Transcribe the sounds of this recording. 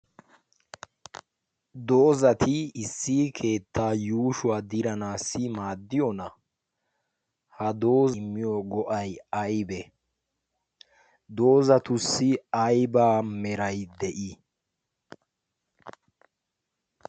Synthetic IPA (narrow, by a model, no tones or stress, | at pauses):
d̪oːzɐt̪ʰɪːsːiːkʰe̞ːt̪ːaːjuːʃʊwaːd̪ɪɾɐnaːsːɪmaːd̪ːɪjɔnɐ | hɐd̪o̞ːzmːɪjɔɡɔʔɐjɐjbɛ | d̪o̞ːzɐt̪ʊsːɪɐjbaːmɛɾɐjd̪ɛʔi